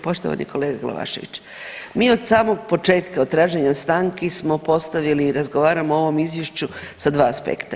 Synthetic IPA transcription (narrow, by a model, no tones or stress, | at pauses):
po̞ʃt̪oʋa̰nḭkʰo̞leːɡaɡlˠa̰ʋa̰ːʃe̞ʋḭt͡ɕ | miːo̞d̪saːmo̞ɡpo̞t͡ʃe̞ːt̪kaod̪t̪ɾaːʒeɲast̪aŋkesmo̞po̞st̪aʋiliːɾazɡo̞ʋaːɾamoo̞ʋo̞mizʋje̞ʃt͡ɕu | sad̪ʋaːspḛkt̪a